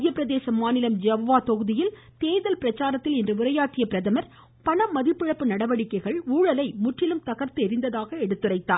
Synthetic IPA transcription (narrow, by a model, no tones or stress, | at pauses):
ɪjɐpːɪɾɐðeːsɐmaːnɪlɐmd͡ʒɐʋoʋaːt̪ɔɣɯðɪjɪl | t̪eːðɐlpɪɾɐt͡ʃːaːɾɐt̪ːɪlɛndrɯʊɾɐjaːʈːɪjɐpɪɾɐðɐmɐɾ | pɐɳɐmːɐðɪpːɪɻɐpːɯnɐɽɐʋɐɽɪkːɐɪɣɐɭuːɻɐlɐɪmʊʈrɪlɯmt̪ɐɣɐɾt̪ɯɛɾɪnd̪ɐðaːɣɐɛɽɯt̪ːɯrɐɪt̪ːaː